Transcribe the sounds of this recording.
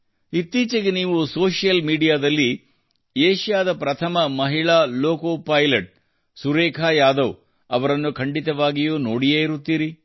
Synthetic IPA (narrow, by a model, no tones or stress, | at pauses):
it̪ːiːt͡ʃɐɡeniːʋusoːʂjɐlmiːɖijaːd̪ɐlːi | eːʃjaːd̪ɐpɾɐt̪ʰɐmɐmɐɦiɭaːloːkoːpɐjlɐʈ̚ | suɾeːkʰaːjaːd̪ɐw | ɐʋɐɾɐnːukʰɐɳɖit̪ɐʋaːɡijuːnoːɽijeːiɾut̪ːiːɾi